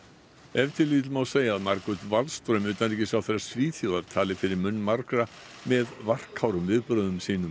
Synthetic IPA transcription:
ɛvt̪ʰɪliːt̪lmawseːjaːðmaɾkʏt̪valst̪ɾœɥmʏːt̪anliːcɪsawθɛɾːḁsviːθjuðaɾt̪ʰaːlɪfɪɾɪɾmʏnːmaɾkɾa | mɛðvar̥khawɾʏmvɪðpɾœːðʏmsiːnʏm

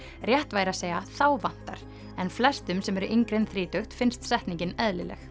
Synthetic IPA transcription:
rjɛht̪vaːjɾaseːjaθawvan̥t̪a̰ɾ̥ | ɛnflɛst̪ʏmsɛmɛɾʏʔiŋkɾenθɾiːt̪œxt̪fɪnst̪sɛht̪niɲcɪnɛðlɪlɛ̰x

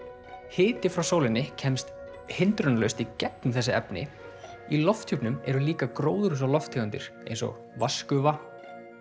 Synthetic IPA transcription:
hɪːt̪ɪfɾawsowlɪnːɪcʰɛmst̪ | hɪnt̪ɾʏnlœɥst̪icɛpnʏmθɛsːɪɛ̰pnɪ̰ | ilɔft̪ʰupnʏmɛ̰ɾʏliːkakɾoːwðʏɾʏs̬awlɔft̪ʰheɣʏnt̪ɪ̰ɾ̥ḛjnsɔ̰ɣ | vaskʏva

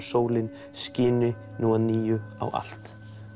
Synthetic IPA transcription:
soːwlɪn | scɪːnʏ | nuːaniːjʏa̰wa̰l̥t̪

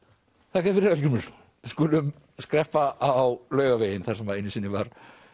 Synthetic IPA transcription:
θakɛfɪɾɪɾalcʏɾmʏs | ɪ̥skʊːlʏm | skɾɛhpaʔawlœːɥɣaveːjɪnθaɾ̥sɛmvaðeɪjnːʏsiːnːɪvaɾ̥

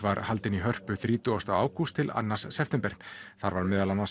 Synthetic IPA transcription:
vaɾhalt̪ɪniɦœr̥pʏθɾiːt̪ʏast̪awa̰ːwkʰust̪ʰɪla̰nːasːɛft̪ɛmpɛɾ̥θaɾvaɾmɪːðalanːa

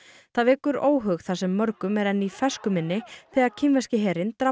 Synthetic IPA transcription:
θaðvɛːkʏɾoːwɦœɣθasɛmːœɾkʏmɛɾɛnːifɛskʏmɪnːɪθɛɣaɾcʰɪmvɛscɪɦɛːɾɪnt̪ɾa

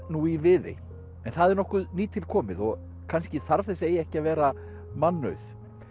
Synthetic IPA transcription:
nuivɪðɪ̰ | ɛnθaðɛɾnɔhkʏðniːt̪ʰɪlkʰɔːmɪ̰ðɔɣ | kʰanscɪθaɾ̥θɛseːjɛhcɪavɛːɾa | manːœ̰ɥθ

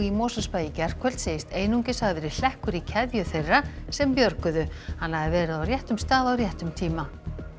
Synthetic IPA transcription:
imɔːsaspaːjɪcɛɾ̥kʰɛl̥t̪seːjɪst̪eːjnuŋcɪsaɣvɛɾɪ̥l̥ɛhkʏɾicʰɛðjʏθejrːasɛmpjœɾkʏðʏhanːhaðɪvɛːɾɪðawrjɛht̪ʏmst̪aːðawrjɛht̪ʏmt̪ʰiːma

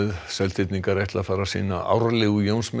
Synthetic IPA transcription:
ðsɛlt̪ʰɪt̪niŋkaɾejht̪laðfaːɾasḭːna̰ʔa̰ːwɾalɪɣʏjownsm

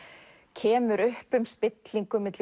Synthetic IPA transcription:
cʰɛːmʏɾʏhpʏmspɪt̪liŋkʏmɪt̪l

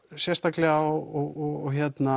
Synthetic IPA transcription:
sjɛst̪aklɛɣaɔɔɣɔɣɔçɛt̪na

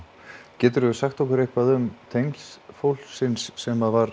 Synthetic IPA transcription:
cɛːt̪ʏɾʏʏsaxt̪owkʏɾejhpaðʏmt̪ʰejŋsfowl̥sɪnsːɛmaðvaɾ

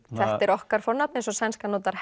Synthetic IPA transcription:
θɛht̪ɛɾɔhkaɾ̥fɔɾnap̚nensɔsɛnskanɔːt̪aɾ̥h

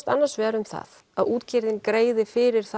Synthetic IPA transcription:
t̪a̰nːaɾ̥svɛːɾʏmθa̰ð | aðuːt̪cɪɾðɪnkɾeːjðɪfɪɾɪɾ̥θ

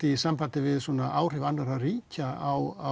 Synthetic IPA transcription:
t̪isampaːt̪ɪvɪðsɔːnaʔaːwr̥ɪvanːaɾariːcaawa

